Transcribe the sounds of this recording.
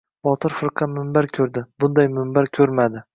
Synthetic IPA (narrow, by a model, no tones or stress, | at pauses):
bɒt̪ʰɪɾfɪɾqʰɑmɪmbaɾkʲʰɵɾd̪ɪbʊnd̪ajmɪmbaɾkʲʰɵɾmad̪ɪ